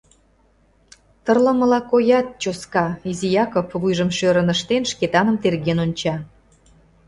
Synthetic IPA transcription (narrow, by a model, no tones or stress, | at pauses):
t̪ərlə̆mə̆lɑkojɑt̪̚t͡ɕoskɑizijɑkopβujʒə̆mʃøɾə̆nəʃt̪enʃket̪ɑnə̆mt̪erɣenonʲt͡ɕɑ